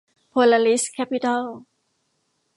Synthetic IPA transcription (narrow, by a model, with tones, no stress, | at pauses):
pʰola˧li˦skʰɛ˥pitʰɔl